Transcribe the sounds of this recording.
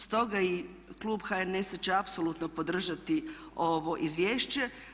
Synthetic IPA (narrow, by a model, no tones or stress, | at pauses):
st̪o̞ɡai | klˠuːbxaenest͡ɕeapsolˠut̪nopo̞d̪r̩ʒat̪i | o̞ʋo̞ʔizʋjeːʃt͡ɕe